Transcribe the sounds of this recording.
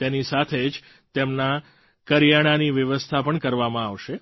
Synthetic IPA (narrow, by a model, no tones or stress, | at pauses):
t̪enisat̪ʰed͡ʒ | t̪emna | kəɾjaɽ̃aniʋjəʋəst̪ʰapəɳkəɾʋamãaʋʃe